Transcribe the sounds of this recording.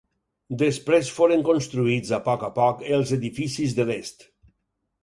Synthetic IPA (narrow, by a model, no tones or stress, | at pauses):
d̪espɾesfoɾeŋkonst̪ɾuid͡zapɔkapɔkelˠzeðifisizðelest̪